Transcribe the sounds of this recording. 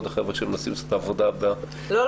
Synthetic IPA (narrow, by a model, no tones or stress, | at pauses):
d̪aχevʁeʃeemlasimsot̪aːvod̪aba | lo